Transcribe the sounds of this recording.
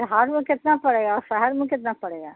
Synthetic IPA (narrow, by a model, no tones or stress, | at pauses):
ɾɦaːɾmẽkɪt̪napɐɽeːɡaɔːɾʃɛɦɛɾmẽkɪt̪napɐɽeːɡaː